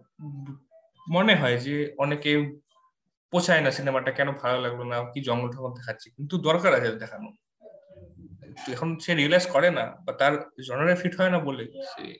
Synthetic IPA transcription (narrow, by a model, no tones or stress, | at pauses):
mɔneɦɔjzeɔneke | posʰajnasinemaʈakɛnʊ̃bʱalolaɡbɔnakizɔŋɡɔltʰɔkɔnd̪ɛkʰatt͡ʃʰikint̪ud̪ɔɹkaɹasild̪ɛkʰanʊ | t̪ɛkʰɔnseɹilajzkɔɹɛna̰bat̪aɹzɔnɔɹɛpʰiʈʰhɔjnabolezḛ